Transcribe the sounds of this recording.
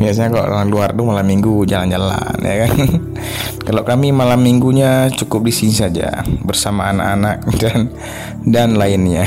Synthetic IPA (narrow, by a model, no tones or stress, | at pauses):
bias̬aɲakalo̰ʔla̰aluartʊmalamːiŋɡud͡ʒaland͡ʒala̰nja̰kan | kalakamimalamːiŋɡuɲat͡ʃukʊp̚disinisad͡ʒa̰bərsamaːna̰kanak̚dan | danlaɪnɲa